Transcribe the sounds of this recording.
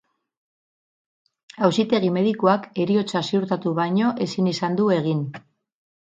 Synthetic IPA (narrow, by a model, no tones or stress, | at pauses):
awsit̪e̞ɣ̞ime̞ðikuake̞ɾio̞t͡sasiuɾt̪at̪uβajɲo̞ʔe̞sinisand̪ue̞ɣ̞in